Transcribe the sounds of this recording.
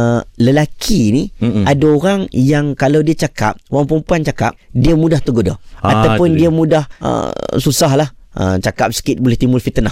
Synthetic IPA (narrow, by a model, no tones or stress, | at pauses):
ələlakʰiniadaoɾaŋjaŋkalawdiat͡ʃaka̰p̚oɣaŋpəmpuant͡ʃaka̰p̚diəmudaht̪uɡoda̰at̪awpʊnndiamũdahə̰susaɦlahʔə̰mt͡ʃakap̚sə̥kɪt̪̚bolɪht̪imʊlfit̪ənah